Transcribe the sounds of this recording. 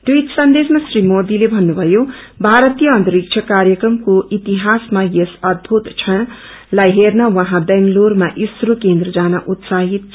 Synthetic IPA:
ʈuit̪sʌnd̪esmasrimod̪ilebʱʌnːubʱʌjobʱaɾʌt̪ijʌʌ̃nt̪ʌɾik̚t͡ʃʰʌkarjʌkrʌmkoʔit̪iɦasmajesʌd̪̚bʱut̪t͡sʰʌ | lajɦernʌwʌɦãbeŋɡlormaʔisɾokend̪rʌd͡zanʌʔut̪saɦit̪̚

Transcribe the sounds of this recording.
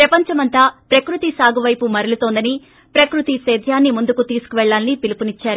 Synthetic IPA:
pɾɐpɐɲt͡ʃɐmɐnt̪aːpɾɐkɾut̪isaːɡuʋɐjpumɐɾɐlut̪oːnd̪ɐni | pɾɐkɾut̪isɛːd̪ʱjaːnːimund̪ukut̪iːsu̥kuʋɛɭːaːlnipilupunit͡ʃːaːɾu

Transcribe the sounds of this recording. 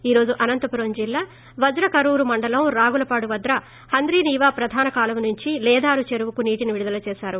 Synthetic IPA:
iːɾo̞ːd͡ʒuʔɐnɐnt̪ɐpuɾɐɲd͡ʒilːaː | ʋɐd̪ɾɐkɐɾuːɾumɐɳɖɐlɐmɾaːɡulɐpaːɽuʋɐd̪ɾɐ | hɐnd̪ɾiːniːʋaːpɾɐd̪ʱaːnɐkaːlɐmnuɲt͡ʃilɛːd̪aːɾut͡ʃeɾuʋukuniːʈiniʋiɽud̪ɐlɐt͡ʃɛːʃaːɾu

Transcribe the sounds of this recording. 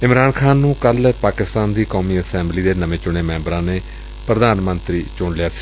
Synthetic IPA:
ɪmɾaːnkʰaːnːũːkəlpaːkɪst̪aːnd̪iːkoːmiːəsɛ̃ːmbliːd̪eːnəʋẽːt͡ʃʊɽ̃eːmɛ̃ːmbɾãːneː | pɾəd̪aːnmə̃nt̪ɾiːt͡ʃʊːɳlɪjaːsi̥ː

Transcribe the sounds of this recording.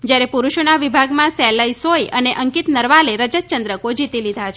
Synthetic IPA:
d͡ʒjaɾepuɾuʃonaʋibʱaɡmãsɛləisojəneʔəŋkit̪nəɾʋaleɾəd͡ʒət̪̚t͡ʃənd̪ɾəkod͡ʒit̪ilid̪ʱat͡ʃʰ

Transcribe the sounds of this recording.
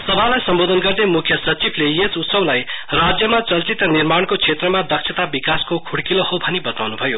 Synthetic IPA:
sʌbʱalajsʌmbod̪ʱʌnɡʌrd̪emukʰjʌsʌt͡sibʱlejet͡sut̪sʌblajrad͡zjʌmat͡sʌlt͡sit̪ʌnirmaɽ̃kot͡sʰet̪rʌmad̪ʌksʰet̪abikaskokʰuɽkilohobʱʌnibʌt̪awnubʱʌjo

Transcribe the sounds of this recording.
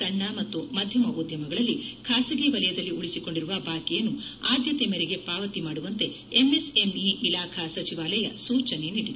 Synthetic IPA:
ɐɳːɐmɐt̪ːumɐd̪ʱjɐmɐʔud̪jɐmɐɡɐɭɐlːikʰaːsɐɡiʋɐlɐjɐd̪ɐlːiuɭisiko̞ɳɖiɾuʋɐbʱaːkijɐnːuaːd̪jɐt̪emɛɾeɡe̞paːʋɐt̪imaːɽuʋɐnt̪e̞ | emese̞miʔilaːkʰɐsɐt͡ʃiʋaːlɐjɐ̰suːt͡ʃɐne̞niːɽid̪u

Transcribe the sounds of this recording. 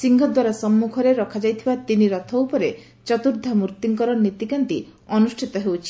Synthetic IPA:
siŋɡʱɔd̪waɾasɔmːukʰɔɾeɾɔkʰad͡ʒajt̪ʰibat̪iniɾɔt̪ʰɔwpɔɾe | t͡ʃɔt̪uɾd̪ʱamuɾt̪iŋkɔɾɔnet̪ikant̪iɔnusʈʰit̪ɔɦewt͡ʃʰi̥

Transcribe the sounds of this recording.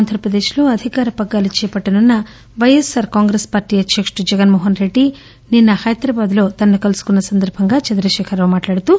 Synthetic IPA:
aːnd̪ʱɐɾɐpɾɐd̪eːʃloːɐd̪ʱikaːɾɐpɐɡːaːlit͡ʃɛːɐpɐʈːɐnunːɐ | ʋɐjesaːɾkaːŋɡɾespaːɾʈiːjɐd̪ʱjɐkʂʈud͡ʒɛɡɐnmoːɦɐnɾe̞ɖːi | ninːɐhɐjɐt̪ɾɐbaːd̪lo̞ːt̪ɐnːukɐlsu̥kunːɐsɐnd̪ɐɾbʱɐŋɡaːt͡ʃɐnd̪ɾɐʃɛːkʰɐɾoːmaːʈlaːɽut̪u

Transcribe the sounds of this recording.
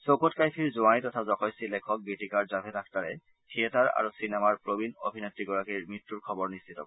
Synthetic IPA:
sokotkajpʰiɹzuanitɔtʰazɔkɔjsilɛkʰɔk̚bitikaɹzabʱɛdak̚ʰtaɹɛ̰ | tʰiɛtaɹa̰ɹusinɛmaɹpɹobino̰bʱinɔtːɹiɡɔɹakiɹmitːuɹkʰɔbɔɹnistʰitɔ̰k

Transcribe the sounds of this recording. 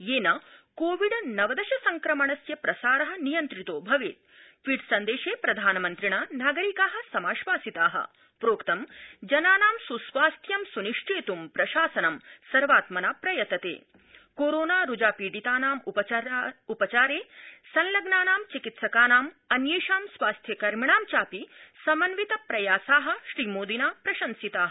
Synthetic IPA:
jeːnɐkoːʋiɖɐnɐʋɐd̪ɐʃɐsɐŋkɾɐmɐɳɐsjɐpɾɐsaːɾɐɦɐ̆nijɐnt̪ɾit̪oːbʱɐʋḛːt̪ | ʋiːɖsɐnd̪eːʃeːpɾɐd̪ʱaːnɐmɐnt̪ɾiɳɐnaːɡɐɾikaːɦɐ̆sɐmaːʃʋaːsit̪aːɦɐ̰ | pɾoːkt̪ɐmd͡ʒɐnaːnaːmsusʋaːst̪ʰjɐmsuniʂʈʰeːt̪umpɾɐʃaːsɐnɐmsɐɾʋaːt̪mɐnaːpɾɐjɐt̪ːɐt̪ḛː | koːɾoːnaːɾud͡ʒaːpiːɖit̪aːnaːm | upɐt͡ʃaːɾeːsɐnlɐɡnaːnaːmt͡ʃikit̪sɐkaːnaːm | ɐnjeːʃaːmsʋaːst̪ʰjɐkɐɾmiɳaːmt͡ʃaːpisɐmɐnʋit̪ɐpɾɐjaːsaːɦɐ̆ʃɾiːmoːd̪inaːpɾɐʃɐnsit̪aːɦɐ

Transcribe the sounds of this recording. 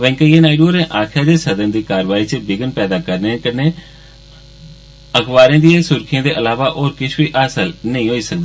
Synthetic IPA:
ʋɛ̃ːŋkəiːẽːnaːɪɖoːɾɛ̃ːʔaːkʰjaːd̪eːsəd̪ənd̪iːkaːɾəʋaːiːt͡ʃəbɪɡənpɛːd̪aːkəɾnẽkəneː | əkʋaːɾẽːd̪ijẽːsʊɾkʰɪjãːd̪eːʔəlaːʋaːʔoːɾkɪt͡ʃʰʋiːʔaːsəlnəĩːɦoːiːsək̚d̪aː

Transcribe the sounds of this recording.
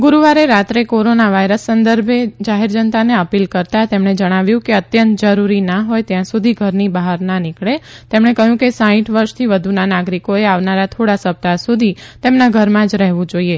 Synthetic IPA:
ɡuɾuʋaɾeɾat̪ɾekoɾonaʋajɾəsːənd̪əɾbʱed͡ʒaɦeɾd͡ʒənt̪aneəpilkəɾt̪at̪emɳed͡ʒəɽ̃aʋjũkeət̪jə̃nt̪d͡ʒəɾuɾinaɦojt̪jãsud̪ʱiɡʱəɾnibaɦaɾnanɪkɭet̪emɳekəɦjũkesãĩʈʰʋəɾʃt̪ʰiʋəd̪ʱunanaɡɾikoeaʋnaɾat̪ʰoɽasəp̚t̪asud̪ʱit̪emnaɡʱəɾmãd͡ʒɾɛɦʋũd͡ʒoie

